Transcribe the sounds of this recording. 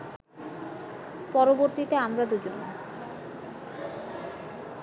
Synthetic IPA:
pɔɾoboɾt̪it̪eamɾad̪ud͡ʑon

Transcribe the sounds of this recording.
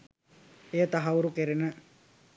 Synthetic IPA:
ejət̪aɦauɾukeɾenə

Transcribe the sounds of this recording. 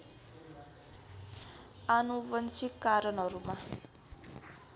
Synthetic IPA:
anubʌnsikːaɾʌnɦʌɾuma

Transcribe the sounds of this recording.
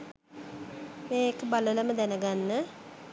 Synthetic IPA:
meːekəbalələməd̪ænəɡanːə

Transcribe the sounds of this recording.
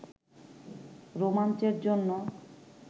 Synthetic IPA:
ɾomant͡ɕeɾd͡ʑonːo

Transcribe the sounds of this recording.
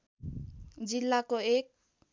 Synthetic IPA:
d͡ʒilːakoek̚

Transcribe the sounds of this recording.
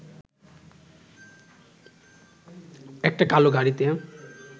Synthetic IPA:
ek̚ʈakaloɡʱaɽit̪eã

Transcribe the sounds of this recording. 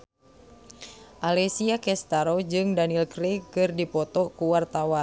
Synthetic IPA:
ʔalɛsiakɛst̪aɾod͡ʒɨŋdanilkɾekɨrdipɔt̪ɔkuwart̪awan

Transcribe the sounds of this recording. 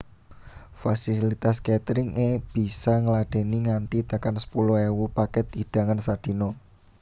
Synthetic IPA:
fasilit̪asket̪ɾɪŋʔeb̥i̤saŋəlaɖ̥e̤niŋant̪it̪akansə̥puluewupakɛt̪̚id̥a̤ŋansad̪̥i̤no

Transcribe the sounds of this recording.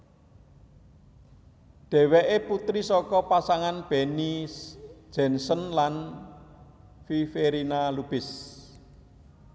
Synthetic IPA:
d̥ɛ̤weʔeput̪ɾisɔkɔpasaŋanb̥ɛnisd̥ʒ̥ɛ̤nsənlan | fifeɾinalub̥ɪs

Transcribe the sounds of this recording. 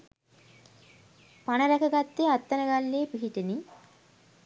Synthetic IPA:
panəɾækəɡat̪ːeat̪ːənəɡalːeːpiɦiʈeni

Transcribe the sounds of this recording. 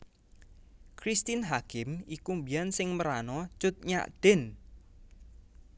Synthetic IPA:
kɾist̪inɦakɪmikumbijansɪŋməɾanɔ̥t͡ʃʊt̪̚ɲa̰ʔd̪̥ɪ̤n

